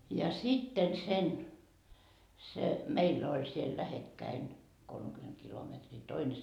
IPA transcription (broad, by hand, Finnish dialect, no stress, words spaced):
jɑ sitːen sen se meilː olʲ siel læhekːæin kolmekyment kilometriː toine